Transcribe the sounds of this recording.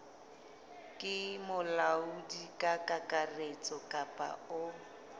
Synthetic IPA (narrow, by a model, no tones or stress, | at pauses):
kʼɪmʊlaudikʼakʼakʼaret͡sʼɔkʼapʼa̰ʊ